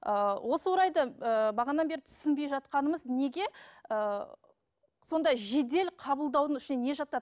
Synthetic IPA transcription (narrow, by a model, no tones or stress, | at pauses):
əwʔo̞səwoɾɑjd̪əəbɑʁɑnɑnbe̞ɾɪt̪ʰʏ̥sɪnbe̞jʒɑt̪qɑnəməzne̞ɡʲe̞ə | so̞nd̪ɑʒe̞d̪e̞lqʰɑbəlˠd̪ɑwd̪əŋɪʃɪneneʒɑt̪ɑd̪